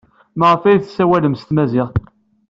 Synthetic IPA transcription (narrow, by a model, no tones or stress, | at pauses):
məʁəfæjθsæwæləmst̪mæzɪʁ